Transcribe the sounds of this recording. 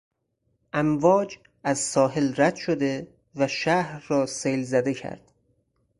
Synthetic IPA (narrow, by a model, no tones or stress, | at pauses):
ʔæmvɒːd͡ʒ | æzsɒːɦe̞lræd̪̥ʃod̪e̞ | væʃæhɾːɒːsejlzæd̪e̞cʰæ̰ɾd̪̥